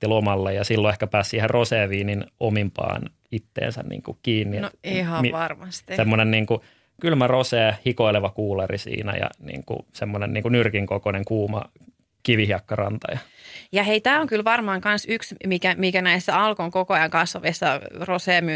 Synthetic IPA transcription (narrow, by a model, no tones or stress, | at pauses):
t̪ːilomɑlːejɑsilːoehkæpæːssiːherroseːʋiːninomimpɑ̰ːn | it̪ːḛːnsæ̰nnḭːŋkukiːnːienoihɑʋɑrmɑst̪isemːonenniːŋku | kylmæroseːhikoileʋɑkuːlɑrḭsḭːnæ̰jɑ̰nḭːŋkṵsemːonenḭːŋkunyrkiŋkokoneŋkuːmɑ̰ | kiʋihiɑkːɑrɑnt̪ɑ̰jɑ | jɑheit̪æːoŋkylʋɑrmɑːŋkɑnsyksmikæmikænæisːæɑlkoŋkokoɑjɑŋkɑsoʋisːɑroseːmy